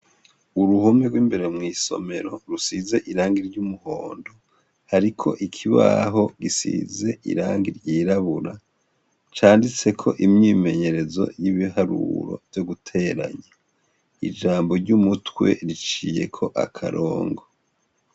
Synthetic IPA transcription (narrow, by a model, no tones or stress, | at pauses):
uɾuhomeɡwiːmbe̞ɾe̞mŋiːso̞̰me̞ɾo̞ɾusize̞ʔiɾaːŋɡiɾɟumuho̞ːndo̞ | haɾikʰo̞̰ʔikʰiβa̰ɦo̞ɡisḭze̞ʔḭɾaːŋɡiɾɟiːɾaβuɾa | t͡ʃaːndit͡se̞kʰo̞ʔimɲiːme̞ɲe̞ɾe̞zo̞̰jiβiɦaɾṵɾo̞̰vjoɡutʰe̞ɾa̰ɲe | ḭd͡ʒaːmbo̞ɾɟumutwe̞̰ɾit͡ʃije̞kʰo̞ʔa̰kʰa̰ɾʔoːŋɡo̞